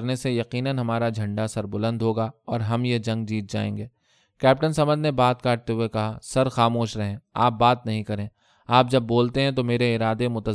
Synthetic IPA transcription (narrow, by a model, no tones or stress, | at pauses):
ɾnesejɐqiːnənɦɐmaːɾad͡ʒʱɐ̃ɳɖasɐɾbʊlə̃nd̪ʱɦoːɡaɔːɾɦɐmjed͡ʒɐ̃ŋɡ̚d͡ʒiːt̪̚d͡ʒa̰ːḛ̃ːŋɡeː | kɛːp̚ʈənsɐmə̃nd̪nebaːt̪̚kaːʈ̚t̪eɦʊekɐɦasɐɾxaːmoːʃɾɐɦẽːaːp̚baːt̪nɐɦĩkɐɾẽː | aːp̚d͡ʒɐbːoːlt̪eɦɛ̃t̪omeːɾeɪɾaːd̪emʊt̪ə